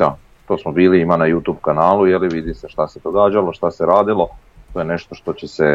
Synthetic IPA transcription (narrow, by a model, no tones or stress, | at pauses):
d̪a | t̪o̞ːsmobiːliimanajuːt̪uːbkanaːlˠujeliʋid̪iseʃt̪ased̪o̞ɡaːd͡ʒalo̞ʃt̪aseɾaːd̪ilˠo̞ | t̪ojene̞ʃt̪o̞ʃt̪o̞t͡ɕese